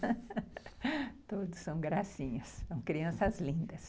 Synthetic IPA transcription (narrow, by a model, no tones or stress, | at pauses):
t̪od̪ʊsːɐ̃w̃ɡɾasĩɲɐssɐ̃w̃kɾiɐ̃sɐzlĩnd̪ɐs